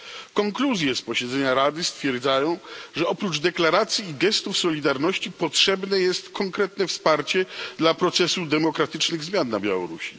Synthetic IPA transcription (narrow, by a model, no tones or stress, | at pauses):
kɔŋkluzʲjɛspɔɕɛd̪zɛɲaɾad̪ɘst̪fʲjɛɾd̪zajɔ̃w̃ʐɛɔpɾud͡ʐd̪ɛklaɾat̪sʲjiːɡɛst̪ufsɔlʲid̪aɾnɔɕt͡ɕipɔtʂɛbnɛjɛst̪kɔŋkɾɛt̪nɛfspaɾt͡ɕɛd̪lapɾɔt̪sɛsud̪ɛmɔkɾat̪ɘt͡ʂnɘɣzmʲjanːabʲja̰wɔ̰ɾuɕi